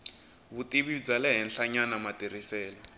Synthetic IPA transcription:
βutiβid͡zalɛɦɛnɬaɲanamatirisɛːlɔ

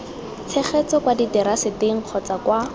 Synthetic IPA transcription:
t͡sʰɛχet͡sɔkwaditɛɾasɪteŋ̩q͡χʰɔt͡sakwa

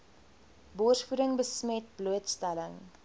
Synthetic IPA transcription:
bɔrsfuɾəŋbəsmɛt̚bluətstæləŋ

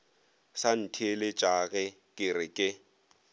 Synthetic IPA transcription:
san̩tʰielet͡ʃʼaɣɛ | kʼɪrɪkʼɪ

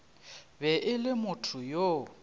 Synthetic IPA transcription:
bɛʔɪlɪmʊtʰʊjo

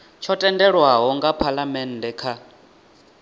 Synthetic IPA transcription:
t͡ʃʰɔtʼɛndɛɺwaɦɔŋɡapʰalamɛndɛkʰa

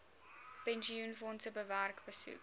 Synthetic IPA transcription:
pɛnʒiunfɔntəbəværkbəsṵk

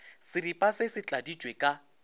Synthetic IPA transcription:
sɪɾipʼasɪsɪt͡ɬʼadi̥d͡ʒʱʼwekʼa

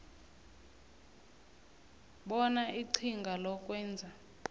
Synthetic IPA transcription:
ɓɔnaiǀʰiŋɡʱalɔk̬ʼwɛːnd͡zʱa

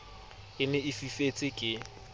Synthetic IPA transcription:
ɪnɛɪfifet͡sʼɪkʼɪ

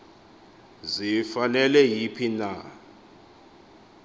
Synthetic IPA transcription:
zifanɛlɛjipʰina

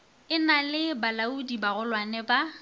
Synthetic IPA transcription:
ɪnalɪbalaudibaɣʊlwanɛba

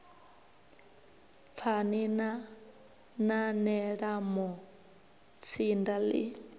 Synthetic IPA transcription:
fʰanina | nanɛɺamɔ | t͡sʰindalḭ

